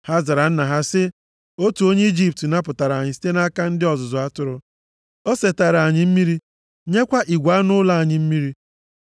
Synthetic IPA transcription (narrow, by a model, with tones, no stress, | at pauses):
ha˦za˨ɾa˨n̩˦na˨ɦa˦sɪ˦ | o˦tu˨o˦ɲe˦i˦d͡ʒi˦p̚tna˦pʊ˨ta˨ɾa˨ɲɪ˨s̬i̥˦te˦na˦ka˦n̩˦dɪ˦ɔ˨zʊ˨zʊ˨a˦tʊ˦ɾʊ˦ | o˦se˨ta˨ɾa˨ɲɪ˨m̩˦mi˦ɾi˦ | ɲe˦kʷa˦ʔi˨ɡʷa˨˦nʊ˦la˦a˨ɲɪ˨m̩˦mi˦ɾi˦